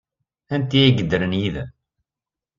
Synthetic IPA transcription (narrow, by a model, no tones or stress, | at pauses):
ænt̪iiɡəd̪ːəɾənjiðæ̰